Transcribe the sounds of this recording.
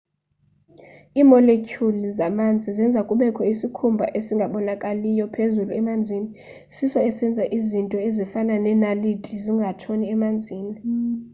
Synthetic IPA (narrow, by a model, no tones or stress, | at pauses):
iːmɔlekʰʼjulizamand͡zʱizɛnd͡zʱakʼuɓɛkʰɔisikʰumbʱa̰ʔesiŋɡʱaɓɔnakʼalijɔpʰezuluɛmand͡zʱini | sisɔɛsɛnd͡zʱaʔizintʼɔezifananɛnalitʰʼiziŋɡʱatʰoniɛmand͡zʱiːni